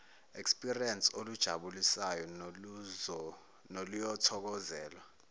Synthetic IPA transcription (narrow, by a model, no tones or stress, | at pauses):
ekspʼiriensolud̥ʒ̥ʱaɓulisajɔ | nolujɔtʰɔk̬ɔzɛːlwa